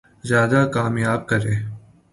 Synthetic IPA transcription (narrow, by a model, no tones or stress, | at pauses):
zjaːd̪aːkaːmjaːb̚kəɾeː